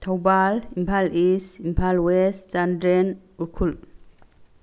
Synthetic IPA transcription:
tʰawbalimpʰalisimpʰalwesd͡ʒandɾen | uɾkʰul

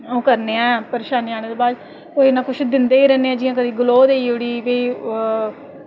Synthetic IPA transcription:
õːkəɾneːɛ̃ːpəɾeːʃaːnaːɽ̃eːd̪eːbaːd̪ | koːinãːkʊt͡ʃʰd̪ɪnd̪eːiːɾɛːnːeːɛ̃ːd͡ʒɪjãːk̬əd̪iːɡʊloːd̪eːioːɽiːbeː

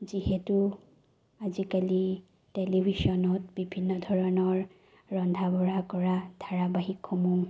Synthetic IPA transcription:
ziɦɛtu | azikali | telibʱisɔnɔt̚bibʱinːɔdʱɔɹɔnɔɹ | ɹɔndʱabɔɹakɔɹad̥ʱaɹabaɦikxɔmuŋ

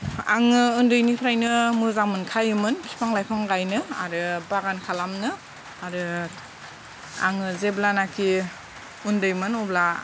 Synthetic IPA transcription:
a̰ŋɯundɯjnipʰɾajnɯmuzamɯnkʰajɯmɯnkʰi̥pʰaŋlajpʰaŋɡajnɯa̰ɾɯbaɡankʰalamnɯ | aɾɯ | a̰ŋɯzeblanakʰi | undɯjmɯnɔbla

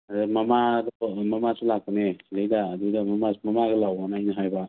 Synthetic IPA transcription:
adɯmamadɔmamasulak̚pɔnelɯjdaːdudamamamamaɡelawanajnaɦajba

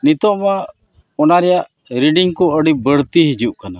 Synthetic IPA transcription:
nit̪ɔʔma | ɔnaɾɛjaʔ | ɾiɖiŋkɔəɽibəɽt̪iɦid͡ʒuʔkana

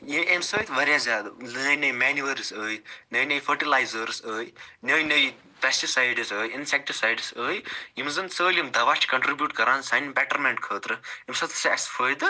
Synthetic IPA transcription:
jimemsəːjt̪ʋɐɾjazʲaːd̪ɨləːjinəjmɛnjuʋɐɾsəːjnəːjnəjfʰəɾʈilaːjzəɾsəːjnəːjnəji | pʲɛsʈisaːjɖɨsəːjinsek̚ʈisajɖsəːjjimzɨnt̪səːlʲimd̪ɐʋat͡ʃʰkɐɳʈɾibjuːʈkɐɾaːnsaːnbɛʈɐɾmeɳʈkʰəːt̪ɾɨimsɐt̪ʰsɐsfʰəːjd̪ɨ

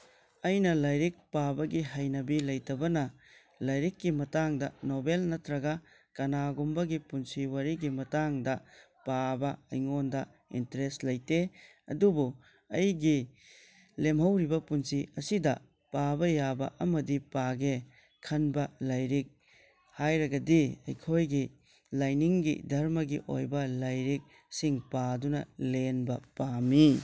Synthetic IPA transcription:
ɐjnɐlɐjɾik̚pabɐɡiɦajnɐbilɐjtɐbɐnɐ | lɐjɾikːimɐtaŋdɐnobelnɐtɾɐɡɐ | kɐnaɡumbɐɡipunsiwaɾiɡimɐtaŋdɐ | pabɐɐjŋondɐ | ḭntɾestlɐjte | ɐ̰dubu | ɐjɡi | lemɦɐwɾibɐpunsiɐsidɐ | pabɐjabɐ̰ʔɐmɐdipaɡe | kʰɐnbɐlajɾik̚ | hajɾɐɡɐdiɐ̰jkʰojɡi | lajniŋɡḭdʱɐɾmɐɡiʔo̰jbɐlajɾik̚ | siŋpadunɐ̰lenbɐpami

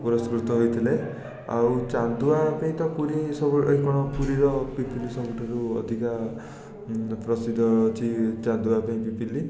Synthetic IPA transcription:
puɾɔskɾut̪ɔɦojt̪ʰile | a̰wt͡ʃand̪uapaĩt̪ɔpuɾisɔbuikɔɽ̃ɔpuɾiɾɔpipʰilisɔbuʈʰɔɾuɔ̰d̪ʱika | pɾɔsid̪ʱɔt͡ʃʰit͡ʃand̪uapaĩpipʰili

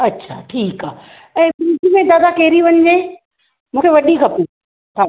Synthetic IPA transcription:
ɐtːɕʰa̰ːʈʰiːkaːɦ | ɛ̃ːbɪd͡ʒimẽd̪aːd̪akeːɾiʋɐɲ̆d͡ʑeː | mũːkʰeʋɐɗikɐpi | tʰaː

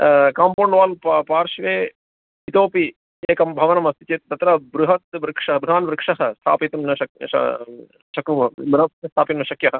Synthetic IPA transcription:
kaːmpoːɳɖʋaːlppaːɾʃʋeː | it̪oːpi | eːkɐmbʱɐʋɐnɐmɐst̪it͡ʃeːt̪t̪ːɐt̪ɾɐbɾuɦɐt̪̚ʋɾɪkʂɐɐbud̪aːnʋɾɪkʂɐɦɐst̪ʰa̰ːpit̪ɐmnɐɐk̚ɐ̰ | ʃɐkubɾɐɐst̪ʰaːpimnɐʃɐkjɐɦɐ

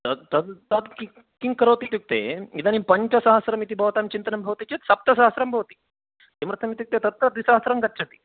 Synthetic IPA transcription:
t̪ɐt̪ɐd̪t̪ɐd̪ki | kiŋkɐɾoːt̪it̪juk̚t̪ḛːid̪ɐnimpɐɲt͡ʃɐsaːɦɐsɾɐmit̪ibʱɐʋɐt̪aːmt͡ʃint̪ɐnɐmbʱɐʋɐt̪it͡ʃet̪sɐp̚t̪ɐsaːɦɐsɾɐmbʱɐʋɐt̪i̥ | imɾɨt̪ʰɐmit̪juk̚t̪eːt̪ɐt̪̚ːɐd̪ʋisaːsɾɐmɡɐtːʃʰɐt̪i̥

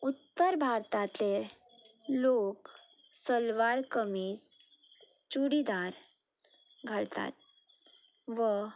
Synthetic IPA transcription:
ut̪ːəɾbʱaɾt̪at̪e | loksəlʋaɾkəmit͡s | t͡ɕuɽid̪aɾ | ɡʱalt̪a̰t̪̚ | ʋə

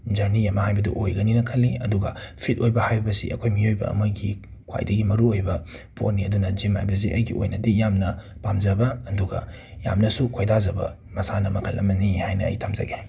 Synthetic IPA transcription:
d͡ʒɐɾnijɐmɐhajbɐdṵʔojɡɐninɐkʰɐlːiɐduɡɐ̰pʰit̚ojbɐhajbɐbɐsḭʔɐ̰kʰojmiojbɐ̰ɐ̰mɐɡi | kʰwa̰jdɐɡimɐɾuojbɐpʰo̰tnːiɐdunɐd͡ʒimha̰jbɐs̬iʔɐjɡio̰jnɐdijamnɐpamd͡ʒɐbɐːduɡɐ̰ | ja̰mnɐsukʰojdazɐbɐ̰ | mɐsanɐmɐkʰɐlʔɐmɐnihajnɐɐ̰jtʰamzɐ̰ɡe

